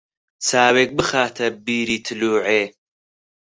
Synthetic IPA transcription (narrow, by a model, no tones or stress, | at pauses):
t͡saːweːk̚bɨxaːt̪ʰɐbiːɾiːt̪ʰɨluːʕeː